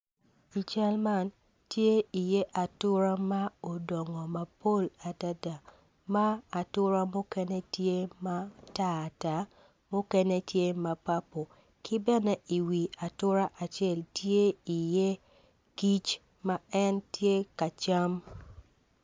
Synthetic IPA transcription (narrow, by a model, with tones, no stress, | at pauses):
i˨t͡ʃɛ˦lma˦˨n | tje˦i˨je˦ʔa˨tʊ˦ɾa˦ma˦o˨dɔ˨ŋɔ˨ma˨po˦˨la˨ta˦da˨ | ma˦a˨tʊ˦ɾa˦mo˦kɛ˦ne˦tje˦ma˦ta˦a˨ta˨˦ | mo˦kɛ˦ne˦tje˦ma˨pa˦po˨ | kɪ˦bɛ˦nɛ˦ʔi˨wi˨a˨tʊ˦ɾa˦ʔa˨t͡ʃɛ˦˨ltje˦i˨je˦ | ki˦t͡ʃ | ma˨ɛ˦ntje˦ka˨t͡ʃa˦m